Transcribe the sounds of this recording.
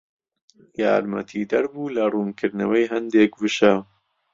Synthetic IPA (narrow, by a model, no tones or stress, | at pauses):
ja̰ːɾmɐ̰t̪ʰiːd̪ɐɾbuːlɐruːnkʰɨɾd̪nɐwɐjɦɐnd̪eːkvɨʃɐ